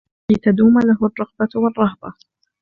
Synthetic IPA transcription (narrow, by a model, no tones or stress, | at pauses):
it̪ad̪uːmalaɦʊrˤːɑqbawɑrˤːɑɦbɑ